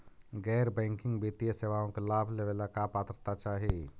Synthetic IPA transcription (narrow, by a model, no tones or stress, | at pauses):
ɡɛɾbɛ̃ŋkɪ̃ŋɡbit̪ijeseʋaõkelaːbʱleʋelakapat̪ɾət̪at͡ʃaːɦi